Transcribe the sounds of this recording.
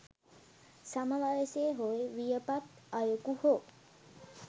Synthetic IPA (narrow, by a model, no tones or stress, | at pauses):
saməʋaʋeseːɦoeʋijəpat̪ | ajukuho